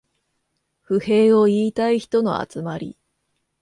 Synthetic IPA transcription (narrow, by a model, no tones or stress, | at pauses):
ɸɯ̟he̞ːo̞iːt̪aiçi̥t̪o̞no̞̰a̰t͡sɨmaɾʲḭ